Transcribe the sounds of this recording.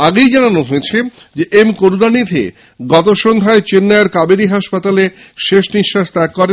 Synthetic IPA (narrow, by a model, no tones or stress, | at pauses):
aɡejd͡ʑananoɦoet͡ɕʰe | d͡ʑeʔemkoɾunanid̪ʱḛ | ɡɔt̪oʃond̪ʱaet͡ɕenːaeɾkabeɾiɦaʃpat̪ale | ʃeʃniʃːaʃt̪ɛkːɔɾe